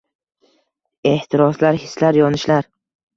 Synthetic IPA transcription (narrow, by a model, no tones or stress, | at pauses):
e̞ht̪ʰɪɾɒslaɾhɪslaɾjɒnɪʃlaɾ